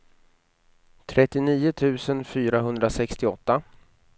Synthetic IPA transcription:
t̪ʰɾʔɛt̪ːɪniːʊt̪ʰʉ̟ːsənfyːɾaɦɵnd̪ɾasɛkst̪ɪɔt̪ːa

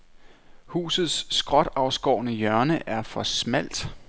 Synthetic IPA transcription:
hṵːsð̞̩ˠsːɡ̥ʁɒ̽d̥ɑ̈ʊsɡ̥ɒ̰ːnəjœɐnəʔæɐfɒ̽smæl̰d̥

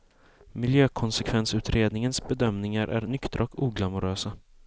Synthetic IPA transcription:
mɪljøːkʰɔnsɛkʰvɛnsʉ̟ːt̪ɾeːd̪nɪŋənsbɛd̪œmnɪŋaɾʔæ̰ɾnʏkt̪ɾʔɔkuːɡlamʊɾøːsa

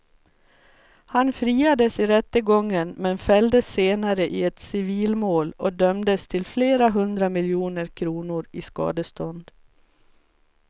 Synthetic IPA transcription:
hanfɾiːad̪əsɪɾɛt̪ːəɡɔŋːənmɛnfɛld̪əsːeːnaɾəʔɪɛt̪sɪviːlmoːlɔd̪œmd̪əst̪ʰɪlfleːɾaɦɵnd̪ɾamɪljuːnəɾkʰɾuːnʊɾɪskɑ̰ːd̪əst̪ɔnd̪

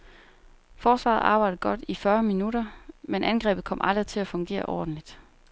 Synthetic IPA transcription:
fɒːsʋɑ̰̈ð̩ˠʔɑ̈ːb̥ɑ̈ɪ̰d̥ð̩ˠɡ̥ɒ̽d̥ifɶɐminuɾɐmenʔænɡ̥ʁɛ̰ːb̥ð̩ˠkʰɒ̽m̰ʔɑ̈ld̥ʁit͡sʰe̝læfɔ̽ŋɡ̥e̝̰ːɐʔɒ̰ːd̥n̩lid̥

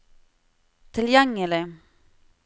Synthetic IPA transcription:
t̪ʰɪljɛŋːələ

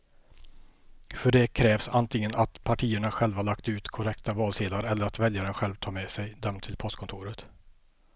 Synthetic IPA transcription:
fœɖɛkʰɾɛːvsant̪ʰɪŋːənat̪pʰaʈʰiːəɳaɧɛlvahaɭakt̪ʉ̟ːt̪kʰɔɾɛkt̪avɑːlseːlaɾɛlːəɾat̪vɛljaɳaɧɛlvt̪ʰɑːmɛsɛjd̪œmt̪ʰːɪlpʰɔst̪kʰɔnt̪ʰuːɾət̪

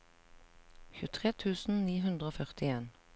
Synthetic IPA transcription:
çʉːt̪ʰʁeːt̪ʰʉːsn̩niːɦʉnd̪ʁəoːfœʁt̪ɪeːn

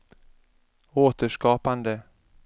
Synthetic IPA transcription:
oːt̪əʂkɑːpand̪ə

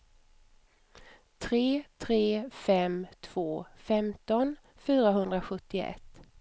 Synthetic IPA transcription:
t̪ʰɾeːt̪ʰɾeːfɛmt̪ʰv̥oːfɛmt̪ɔn | fyːɾaɦɵnd̪ɾaɧɵt̪ːɪ̰ʔɛ̰t̪ː

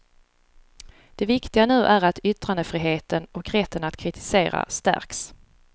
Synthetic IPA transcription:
d̪̥ɛvɪkt̪ɪɡanʉ̟ːʔæɾat̪ʰʏt̪ɾand̪əfɾiːɦeːt̪ənɔkɾɛt̪ʰːənat̪kʰɾɪt̪ʰɪ̥seːɾa̰st̪æ̰ɾks

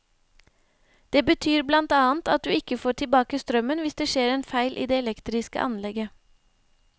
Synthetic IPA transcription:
d̪̥eːbət̪ʰyːɾblɑnt̪ɑːənt̪ɑt̪̚d̪ʉːɪkəfoːʈʰɪlbɑːkəst̪ɾœmənʋɪsd̪eːʃeːɾeːnfæɪlʔḭːd̪eːɛlɛkt̪ɾɪskə̰ʔɑ̰nlɛɡə

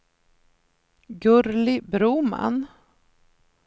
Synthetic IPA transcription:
ɡɵɾlɪbɾuːma̰n

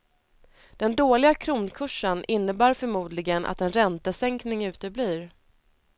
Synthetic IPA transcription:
d̪̥ɛnd̪oːlɪɡakʰɾuːnkʰɵʂːənʔɪnːəbæːɾfœɾmuːd̪lɪɡənʔa̰t̪ɛnɾɛnt̪əsɛŋknɪŋʉ̟ːt̪əbliːɾ

